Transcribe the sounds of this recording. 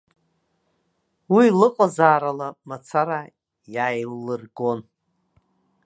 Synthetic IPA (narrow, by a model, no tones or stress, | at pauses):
wilɨqʼazaːɾalamat͡sʰaɾa | jaːjlːɨrɡo̞n